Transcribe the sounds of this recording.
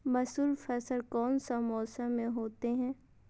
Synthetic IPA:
bɐsuːɾfɛːsəlkɔːnsamɔːsəmːẽɦoːt̪eɦɛ̃ː

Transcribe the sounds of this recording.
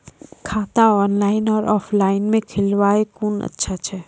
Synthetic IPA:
kʰaːt̪aɔːnlaːɪnɔːɾʔɔːfʰlaːɪnmẽkʰɪlʋaːekuːnə̰tːʃʰat͡ʃʰɛː

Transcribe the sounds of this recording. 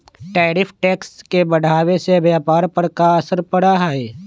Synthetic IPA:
ʈɛːɾɪpʰʈɛːkskebɐɽ̤ʱaːwesebjaːpaːɾpɐɾkaɐsəɾpɐɽaɦaeː

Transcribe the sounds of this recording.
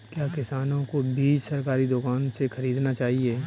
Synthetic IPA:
kjaːkɪsaːnõkobiːd͡ʒsɐɾkaːɾid̪ʊkaːnsexɐɾiːd̪nat͡ʃaːɦieː

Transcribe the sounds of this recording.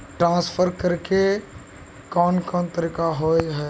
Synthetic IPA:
ʈɾãːspʰəɾkəɾke | kɔːnkɔːnt̪əɾiːkaɦoːjɦɛː

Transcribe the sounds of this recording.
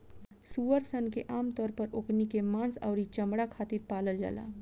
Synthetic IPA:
suːəɾsənkeʔaːmt̪ɔːɾpəɾoːknikemãːnsɔːɾit͡ʃɐmɽakʰaːt̪iɾpaːləld͡ʒa̰la̰ː

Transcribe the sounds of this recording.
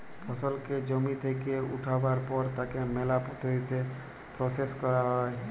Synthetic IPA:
pʰəsəlked͡ʒomit̪ʰekeʊ̰ʈʰabaɾpɔɾt̪akemeːlapɔt̪ʰit̪ʰe | pɾoseskəɾae

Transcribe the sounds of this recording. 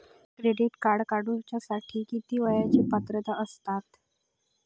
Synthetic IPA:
kɾeɖiʈkaɽkaɽuɾt͡ɕjasaʈʰiːkit̪iːʋəjat͡ɕiːpət̪ɾət̪aəst̪at̪

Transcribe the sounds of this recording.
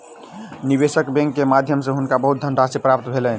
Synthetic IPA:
nibesəkbɛ̃ŋkːemad̪ʱjəmsẽɦunkabəɦut̪̚d̪ʱəɳɖasepɾap̚t̪bʱelɛn

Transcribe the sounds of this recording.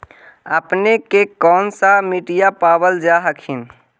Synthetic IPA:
əpnekekɔːnsamiʈijapaːwəld͡ʒaɦəkʰɪn

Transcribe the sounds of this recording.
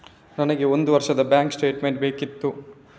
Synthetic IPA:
nɐnɐɡe̞ond̪uʋɐɾʃɐd̪ɐbjaːŋksʈe̞ːʈmeɳʈ̚beːkit̪ːu

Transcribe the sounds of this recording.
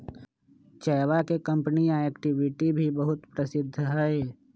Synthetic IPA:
t͡ʃɛːwakekɐ̃mpənijãeːkʈɪʋɪʈibʱibəɦʊt̪pɾɐsɪd̪ʱːɦɛe

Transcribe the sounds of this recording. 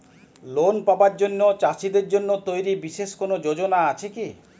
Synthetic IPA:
lonpabaɾd͡ʒonːot͡ɕasid̪eɾd͡ʒonːot̪ojɾibiʃeʃkonod͡ʒod͡ʒonaat͡ɕʰeki

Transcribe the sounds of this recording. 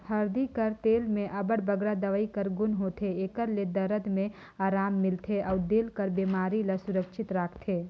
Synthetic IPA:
hɐɾd̪ikəɾt̪eːlmẽʔɐbəɽbəɡɾad̪ɐʋəikəɾɡʊnɦoːt̪ʰeeːkəɾled̪ɐɾəd̪mẽ | aːɾaːmːɪlt̪ʰeʔɔːd̪elkəɾbeːmaːɾiləsʊɾəkʃɪt̪ɾaːkʰt̪ʰeː

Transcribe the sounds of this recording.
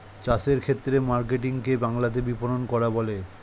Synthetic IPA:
t͡ɕaseɾkʰet̪ːɾemaɾk̬eʈ̬iŋkebaŋlat̪̬ebipononkɔɾabole

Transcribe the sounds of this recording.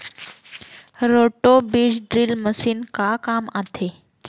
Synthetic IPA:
ɾoʈobiːd͡ʑɖɾilməsiːnkakamat̪ʰe

